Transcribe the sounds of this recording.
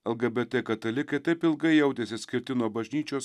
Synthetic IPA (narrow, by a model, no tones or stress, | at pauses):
ɛlˠɡɐbʲɛt̪ʲɛkɐt̪ɐlʲɪkɐɪt̪ɐɪpɪlˠɡɐɪjɛʊd̪ʲeːsʲɪsʲkʲɪɾʲt̪ʲɪnuɔbɐʒʲnʲiːt͡ʃʲoːs